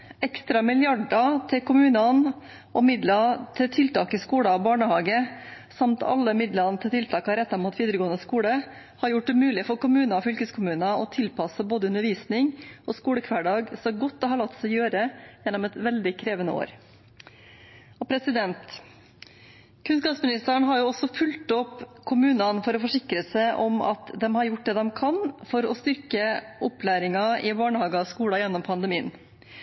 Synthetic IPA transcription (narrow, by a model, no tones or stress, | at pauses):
ɛkst̪ɾɑmɪljɑɖɑt̪ʰɪkʰʊmʉːnɑn | ɔmɪd̪lɑt̪ʰɪt̪ʰɪlt̪ʰɑːkəskuːɽəɑbɑːɳəhɑːɡə | sɑmt̪ʰɑ̰lːəmɪd̪lənt̪ʰɪt̪ʰɪlt̪ʰɑːkɑɾɛt̪ːɑɾmuːt̪ʋiːd̪əɾəɡoːənəskuːɽə | hɑɾjʊʈːʉmʉːlɪfɔɾkʊmʉːnɑɔfʏlkəskʰʊmʉːnɑɔt̪ʰɪlpɑsəboːd̪əʉnəʋiːsnɪŋʔɔskuːɽəkʰʋæːɖɑːɡsɔɡɔt̪̚d̪ɛhɑɭɑt̪ːsɛjøːɾəjɛnːɔmɛt̪ʋɛld̪ɪkʰɾeːʋənəo̰ːɾ | ɔpʰɾɛsɪd̪ɛnt̪ | kʰʉnskɑːpsmɪnɪst̪æɳɦɑɾjʊɔsɔfʉlt̪ɔpːkʰʊmʉːnɑnfɔɾɔfɔʂɪkɾəsæɪʔɔmɑ̰t̪d̪ɛmhɑɾjʊʈ̚ːd̪ɛːd̪ɛmkʰɑnfɔɾɔst̪ʏɾkəʔɔplæːɾɪŋɑɪbɑːɳəhɑːɡəskuːɽɑjɛnːɔmpʰɑnd̪əmiːən